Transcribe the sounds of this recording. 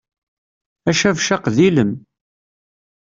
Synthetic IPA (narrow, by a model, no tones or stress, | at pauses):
æʃævʃaqðiləm